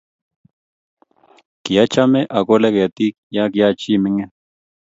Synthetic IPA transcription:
ki˨ja˦t͡ʃa˦me˦ʔa˨ko˦lɛ˦ka˨t̪i˦k̚ja˦ki˨ja˦t͡ʃi˦˨mɪ˦ŋɛ˦

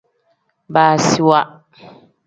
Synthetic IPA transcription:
baː˨si˦wa˦ʔ

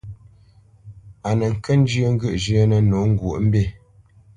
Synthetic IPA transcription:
a˨nə˨ŋ̩˨kə˦n̩˦d͡ʒə˦ŋ̩˦ɡʉ˦˨ʔd͡ʒə˦nə˨no˨˦ŋ̩˦ɡwo˨ʔm̩˦be˦˨

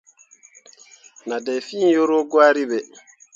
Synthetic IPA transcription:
na˨dɛ˨jfĩ˦jo˦ɾo˦ɡwaː˦ɾi˦bɛ˨

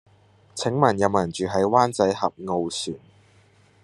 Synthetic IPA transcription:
t͡sʰɪ˨˥ŋmɐ˨˩njɐ˨wmɐ˨˩nt͡ʃyː˨ɦɐ˨˥jwaː˥nt͡sɐ˨˥jhɐ˨p̚ŋo˧wsyː˨˩n

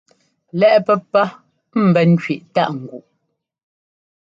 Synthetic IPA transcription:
lɛ˦ʔpɛ˦pːa˦ | m̩˨bɛ˨n̩˦t͡ʃɥi˨ʔta˦ʔŋ̩˨ɡu˨ʔ

